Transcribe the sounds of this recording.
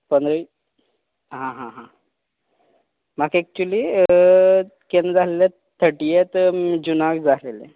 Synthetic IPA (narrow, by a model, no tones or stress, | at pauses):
pənd̪ɾəi | ɦãɦãɦã | makek̚t͡ɕuli | kend͡zalele | t̪ʰəʈijet̪d͡ʑunakd͡zalele